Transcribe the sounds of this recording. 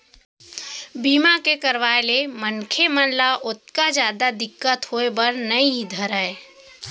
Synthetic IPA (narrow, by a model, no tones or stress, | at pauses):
biːmakekəɾʋaːelemənkʰemənlaʔʊt̪̚kazjaːd̪ad̪ɪkːət̪hoːebəɾnɐĩid̪ʱəɾəe